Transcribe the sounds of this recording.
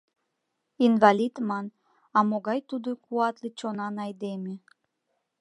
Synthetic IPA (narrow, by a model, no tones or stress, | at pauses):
invɑlʲid̪mɑn | ɑmoɣɑjt̪ud̪okuɑt̪lit͡ɕonɑnɑjd̪eme